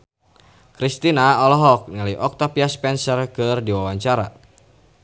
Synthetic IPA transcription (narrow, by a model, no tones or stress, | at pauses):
kɾist̪inaɔlɔɦɔk̚nilajʔɔk̚t̪apiaspɛnsərkɨrdiwawaɲt͡ʃaɾa̰